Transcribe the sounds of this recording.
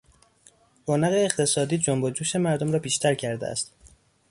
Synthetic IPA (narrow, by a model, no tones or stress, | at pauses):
boːnæɣeːχt̪ʰe̞sɒːd̪iːd͡ʒombod͡ʒuːʃe̞mæɾd̪omɾɒːbiːʃt̪ʰæɾcʰæɾd̪ḛæ̰st̪